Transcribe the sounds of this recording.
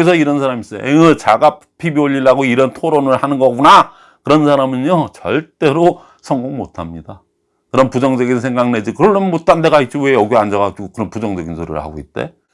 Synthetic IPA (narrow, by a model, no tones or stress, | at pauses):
ʌis̬ʰʌiɾʌns̬ʰaɾamis͈ʌj̰ʔeŋɯt͡ɕaɡappʰibioʎːiɭːaɡoiɾʌntʰoɾonɯɭhanɯnɡʌɡuna | kɯɾʌnsʰaɾamɯɲʌt͡ɕʌɭt͈e̞ɾo | sʰʌŋɡoŋmotʰamɲida | kɯɾʌnpud͡ʑʌŋd͡ʑʌɡinsʰe̞ŋɡaŋne̞d͡ʑikɯɾʌɭːonmot͈ande̞ɡait̚t͡ɕ͈iwejʌɡieand͡ʑʌɡad͡ʑiɡokɯɾʌnpud͡ʑʌŋd͡ʑʌɡinsʰoɾḭɾɯ̰ha̰ɡoit̚t͈e̞̰